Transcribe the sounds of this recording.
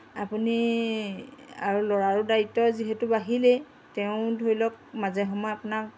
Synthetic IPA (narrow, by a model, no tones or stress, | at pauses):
apuni | a̰ɹulɔɹaɹudaitːɔziɦɛtʊbaɦilɛ | tɛʊ̃dʱojlɔk̚mazɛɦɔmɔjapunak